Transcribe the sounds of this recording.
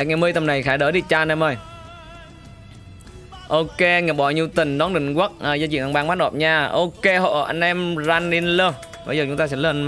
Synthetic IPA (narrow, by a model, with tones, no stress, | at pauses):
ɛ˨˩k̚ŋɛ˨˩mɨ˧ət̪ə˨˩mna˨˩jxaː˧˩ɗəː˧˦ɗi˧˩t͡ɕaː˧nɛ˧˩məː˨˩j | ʔo˧ke˧ŋɛ˨˩ɓɔ˧˩ɲi˧əwt̪ï˨˩ŋ̟ɗɔ˨˦nɗï˧˩˨ŋ̟kwa˦˥t̚ə˨zaː˧t͡ɕḭ˧˨nʔa˧ŋɓaː˧ŋmaː˦˥n̚ɗɔ̰˨˩p̚ɲaː˧˩ʔo˧ke˧ɦo̰˧˨ʔa̰˧jŋ̟ʔɛ˧mzaː˧nːi˧nləː˧˩ | ɓə˧jzəː˨˩t͡ɕʊ˦ŋ͡mt̪aː˧sɛ̰˧˥ləː˧˩n